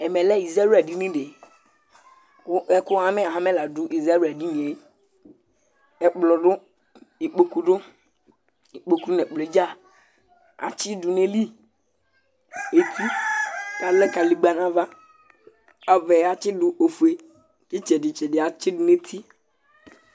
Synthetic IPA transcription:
ɛ˨mɛ˨lɛ˦i˨za˦u˦ɛ˨ɖi˦nĩ˦ɖe˨˦ | ɛ˦kʊ˦a˦me˦a˨ɦã˦me˦la˨du˦ʔi˨za˦ɾa˨di˦nĩ˨e˨˦ | ɛ˦k͡plɔ˨ɖʊ˦ | i˨k͡po˦ku˦ɖʊ˦ | i˨k͡po˨ku˦nɛ̃˨k͡ple˨d͡ʒa˦˨ | a̰˨t͡ʃɪ˦du˨nẽ˦li˦ | e˦t̪ʰi˦˨ | a˨lɛ˦ka˨li˨ɡ͡ba˨nã˦va˦ | a˨vɛ˨˦a˨t͡ʃɪ˦ɖʊ˨ʔo˨fu˨e˨ | d͡ʒi˦t͡ʃɛ˨di˨t͡ʃɛ˨ɖɪ˨a˨t͡ʃɪ˦du˨ne˦t̪ʰi˦

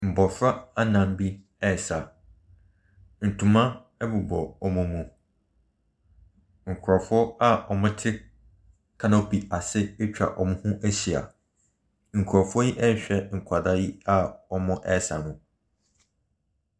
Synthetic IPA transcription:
m̩˨bɔ˨fɾa˦a˦nã˨m˦bi˦ | ɛ˦˨sa˨ | n̩˨tʰũ˨mã˦ | ɛ˦bʊ˨bɔ˨ɔ˨mũ˦mũ˨ | ŋ̩˨kʰʊ˨ɾɔ˨fʊ˦ɔ˦a˦ɔ˨mʊ̃˦tʰɪ˦ | kʰã˦nɔ˦pi˨a˨sɪ˦e˦t͡ɕᶣa̰˨ʔɔ˨mʊ̃˦hũ˦ʔæ˦ɕi˨a̰˨ | ŋ̩˨kʰʊ˨ɾɔ˨fʊ˦ɔ˦ji˦ʔɛ˦ɕᶣɛ˦ŋ̩˨kʷʰa˨da˦ji˦a˦ɔ˨mʊ̃˦ʔɛ˦˨sa̰˨nʊ̃˨

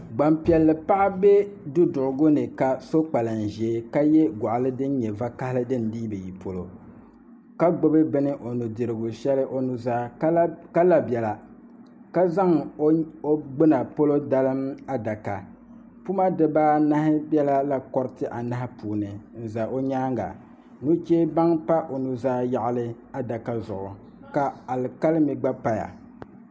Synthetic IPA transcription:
ɡ͡ba˨mpi˨ɛ˨lːɨ˨pa˦ʔa˦be˦du˦dʊ˨ʔʊ˨ɡʊ˦nɨ˨ka˨so˦k͡pa˨lɨ˨n̩˨ʒe˨˦ka˦jɛ˦ɡa˨ʔa˨lɨ˦dɨ˦n˦ɲɛ˨va˦ka˦hɪ˦lɨ˦dɨ˦n˨diː˦bɨ˨ji˨pʰo˨lo̰˨ | ka˦ɡ͡bʊ˦bɨ˦bɨ˦nɨ˦ʔo˨nu˨dɨ˨ɾɨ˨ɡʊ˨ʃɛ˦lɨ˦ʔo˦nu˨zaː˦ka˦la˨bɛ˨la˨ | ka˦za˦ŋ˦ | o˦ɡ͡bɨ˦na˨po˦lo˦da˦lɨ˦ma˦da˨ka̰˨ | pu˦ma˦dɨ˨baː˦na˦hɪ˦bjɛ˦la˦la˦kɔ˦ɾtɨ˦ʔa˨na˦ɦɪ˦puː˨nɨ˨n̩˨za˨ʔo˦ɲaː˦ŋɡa̰˨ | nu˦t͡ʃeː˦ba˦ŋpa˦ʔo˨nu˨zaː˦ja˨ʔa˦lɨ˦ | a˦da˨ka˦zʊ˨ʔʊ˨ | ka˨a˨lka˦lɨ˦mi˨ɡ͡ba˦pa˦ja̰˨

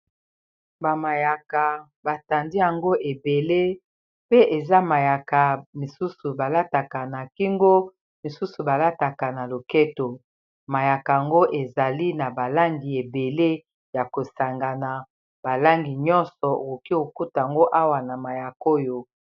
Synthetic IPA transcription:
ba˨ma˨ja˨ka˨ | ba˨ta˨ndi˦ja˨ŋɡo˦ʔe˨be˨le˦ | pe˦ʔe˨za˦ma˨ja˨ka˨mi˨su˦su˨ba˨la˦ta˨ka˨na˨ki˦ŋɡo˦ | mi˨su˦su˨ba˨la˦ta˨ka˨na˨lo˨ke˦to˨ | ma˨ja˨ka˨a˨ŋɡo˦ʔe˨za˨li˦na˨ba˨la˦ŋɡi˨e˨be˨le˦ | ja˨ko˨sa˨ŋɡa˨na˨ | b̥a˨la˦ŋɡi˨ɲɔ˦nsɔ˨o̰˨ko˨ki˦o˨ku˦ta˨ŋɡo˦ʔa˦wa˨na˨ma˨ja˨ko˦jo˦

